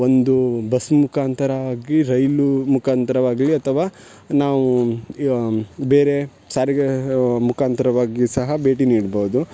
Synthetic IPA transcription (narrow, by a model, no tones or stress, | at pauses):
ond̪ubɐsmukʰaːnt̪ɐɾɐʋaːɡiɾɐjlumukʰaːnt̪ɐɾɐʋaːɡliɐt̪ʰɐʋaː | naːʋu | beːɾe | saːɾiɡemukʰaːnt̪ɐɾɐʋaːɡisɐɦɐbe̞ːʈ̬iniːɽboud̪u